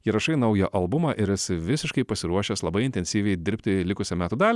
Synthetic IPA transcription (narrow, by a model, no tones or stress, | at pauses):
jiɛɾɐʃɐɪnɐʊjɛʔɐlˠbʊmɑːʔɪɾɛsʲɪʋʲɪsʲɪʃkɐɪpɐsʲɪɾuɔʃʲeːslˠɐbɐɪɪnʲt̪ʲɛnʲsʲiːʋʲɛɪd̪ʲɪɾʲpʲt̪ʲɪlʲɪkʊsʲɛmʲæːt̪uːd̪ɑːlʲ